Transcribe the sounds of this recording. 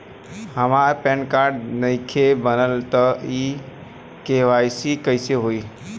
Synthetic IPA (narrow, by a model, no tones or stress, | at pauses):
həmaɾpẽnkaːɾɖnəɪkʰebənəlt̪əi | keʋajsikəɪseɦoiː